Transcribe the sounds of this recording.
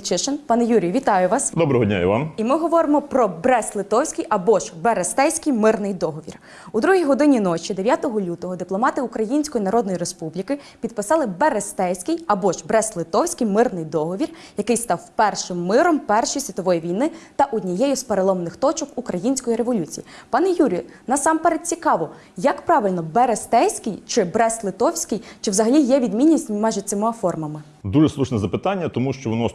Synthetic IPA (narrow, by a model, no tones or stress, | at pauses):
t͡ʃɪʃenpɑnɛjuɾʲijʊʋʲit̪ɑjʊʋɑsd̪ɔbɾɔɦɔdʲnʲa̰ḭʋɑ̰nimɪɦɔʋɔɾɪmɔpɾɔbɾɛslˠɪt̪ɔwsʲkɪjʔɐbɔʒbeɾest̪ɛwsʲkɪjmɪrnɪjd̪ɔɦɔʋʲḭr | ud̪ɾuɦʲijɦɔd̪ɪnʲinɔt͡ʃʲid̪eʋʲjat̪ɔɦɔlʲut̪ɔɦɔd̪ɪplˠɔmɑt̪ɪukɾɐjinʲsʲkɔjinɐɾɔd̪nɔjiɾespublʲikɪpʲid̪̚pɪsɑlˠɪbeɾest̪ɛwsʲkɪjɐbɔʒbɾɛslˠɪt̪ɔwsʲkɪjmɪrnɪjd̪ɔɦɔʋʲirjɐkɪjst̪ɑwpɛrʃɪmːɪɾɔmpɛrʃɔjisʲʋʲit̪ɔʋɔjiʋʲijnɪt̪ɐʔʊd̪ʲnʲijɛjʊspeɾelˠɔmnɪxt̪ɔt͡ʃɔkukɾɐjinʲsʲkɔjiɾeʋɔlʲut͡sʲijipɑnɛjuɾʲijnɑsɑmpɛɾed̪̚t͡sʲikɑʋɔ | jɐkpɾɑʋɪlʲnɔbeɾest̪ɛsʲkɪjt͡ʃɪbɾɛst̪lˠɪt̪ɔwsʲkɪjt͡ʃɪwzɐɦɐlʲijɛʋʲid̪mʲinʲːisʲtʲmɑjʒɛt̪ʲt͡s̪ʲɪmɪɐfɔrmɐmɪ | d̪uʒɛslˠuʃnɛzɐpɪt̪ɑnʲːɐt̪ɔmuʃt͡ʃɔʋɔnɔ